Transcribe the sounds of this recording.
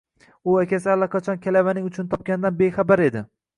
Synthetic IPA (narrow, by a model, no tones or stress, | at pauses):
ʊakʲʰasɪalːaqʰɑt͡ʃʰɒnkʲʰalavanɪŋʊt͡ʃʰʊnt̪ʰɒp̚kʲand̪anbe̞jχabaɾe̞d̪ɪ